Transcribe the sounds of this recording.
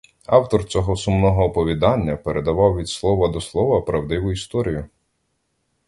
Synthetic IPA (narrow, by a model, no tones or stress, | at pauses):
ɑwt̪ɔrt͡sʲɔɦɔsʊmnɔɦɔːpɔʋʲid̪ɑnʲːɐpeɾʔed̪ɐʋɑwʋʲid̪slˠɔʋɐd̪ɔslˠɔʋɐpɾɐwd̪ɪʋʊist̪ɔɾʲijʊ